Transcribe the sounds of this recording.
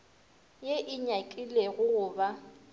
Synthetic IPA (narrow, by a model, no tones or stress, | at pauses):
jeʔɪɲakʼileɣʊɣʊːba